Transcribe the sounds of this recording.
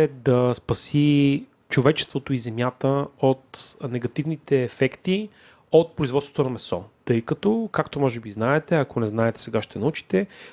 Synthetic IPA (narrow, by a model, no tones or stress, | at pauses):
ɛd̪ɐspɐsi | t͡ʃovɛt͡ʃɛ̥st̪vot̪oizɛmjat̪əot̪nɛɡɐt̪ivnit̪ɛːfɛkt̪i | ot̪̚pɾoizvɔt̪svo̥t̪onɐmɛsɔ̰t̪ɤjkɐt̪ɔkakt̪omɔʒɛbiznaɛt̪ɛɐkonɛznaɛt̪ɛ̥sɛɡaʃt̪ɛnɐut͡ʃi̥t̪ɛ